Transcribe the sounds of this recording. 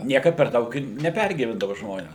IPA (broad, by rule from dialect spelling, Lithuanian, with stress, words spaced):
ˈnʲiɛkɐt pʲɛr ˈdɐʊk ɪr nʲɛˈpʲɛrʲɡʲiːʋʲɛndɐʋɐ ˈʒmoːnʲɛs